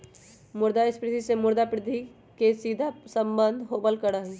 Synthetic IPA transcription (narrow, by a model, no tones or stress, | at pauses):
mʊɾd̪aɪspɾɪt̪ʰisemʊɾd̪apɾɪd̪ʱi | kesiːd̪ʱasə̃mbə̃nd̪ʱɦoːbəlkəɽaɦɛ̃